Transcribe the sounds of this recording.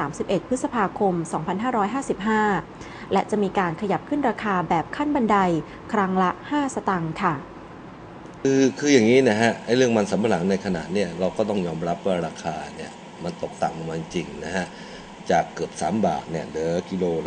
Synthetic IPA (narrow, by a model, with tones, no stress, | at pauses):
aː˩˦msi˨˩p̚ʔe˨˩t̪̚pʰɯ˦˥t̪̚sa˧pʰaː˧kʰo˧msɔː˩˦ŋpʰa˧nɦaː˥˩ɾɔː˦˥jɦaː˥˩si˨˩p̚ɦaː˥˩ | lɛ˦˥t͡ɕa˨˩ʔmiː˧kaː˧nkʰa˧ja˨˩p̚kʰɯ˥˩nɾaː˧kʰaː˧bɛː˨˩p̚kʰa˥˩nba˧nda˧j | kʰɾa˦˥ŋla˦˥ʔhaː˥˩sa˧t̪a˧ŋkʰa˥˩ | kɯː˧kʰɯː˧jaː˨˩ŋːiː˦˥na˦˥˩kʰa˦˥ʔʔa˥˩jɾɯ˥˩əŋma˧nsa˨˩˦mpʰa˧la˩˦ŋna˧jkʰa˧na̰˨˩t̪̚ni˥˩ɐɾa˧wkɔː˥˩t̪ɔ˥˩ŋjɔː˧mɾa˦˥p̚wa˥˩ɾaː˧kʰaː˧ni˥˩ɐ | ma˧nt̪o˨˩k̚t̪a̰˨˩ŋa˨˧ŋmaː˧ji˧t͡ɕi˧ŋna˦˥hʰa˦˥ | t͡ɕaː˨˩kːɯ˨˩əp̚sa̰ː˩˦mba̰ː˨˩t̪̚ni˥˩ɐdɤː˨˩˦ki˧loː˧